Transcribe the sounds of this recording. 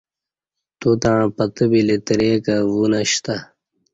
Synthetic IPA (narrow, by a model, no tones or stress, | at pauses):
t̪ut̪aɻ̃pɐt̪əbilet̪ɾekawunaɕt̪a